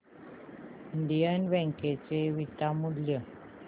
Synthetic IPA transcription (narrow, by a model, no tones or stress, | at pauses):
iɳɖijənʋɛ̃ŋket͡seʋit̪amud̪ljə